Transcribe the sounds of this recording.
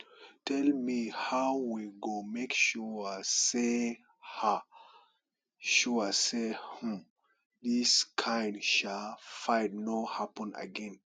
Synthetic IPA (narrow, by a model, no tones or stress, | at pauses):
tɛlmihawwiɡomekʃuse | ha | ʃuəsehum | diskʰãjndʃafãjdnohapə̃na̰ɡɛ̃n